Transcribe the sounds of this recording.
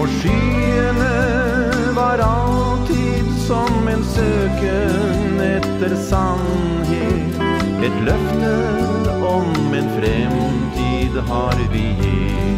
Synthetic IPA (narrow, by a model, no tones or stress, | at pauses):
ʊʂiː | nə | ʋɑɾɑl | t̪ʰi | d̪sɔmɛnsøːkə | n | ɛt̪ːəɾsɑn | ɦeːt̪ | ɛt̪lœft̪ə | ɔm | ɛnfɾɛm | nt̪ʰiːd̪ɦɑɾʋije